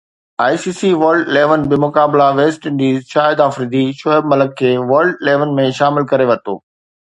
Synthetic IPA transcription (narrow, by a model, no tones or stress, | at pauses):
aːjsiːsiʋɐɾɖɪleːʋənbɪmʊkaːblaʋeːsʈɪ̃ɳɖiːzʃaːɦɪd̪aːfɾiːd̪iʃɔəbmɐləkʰːeːʋɐɾɖɪleːʋənmẽʃaːmɪlkɐɾeʋɐt̪o̰ː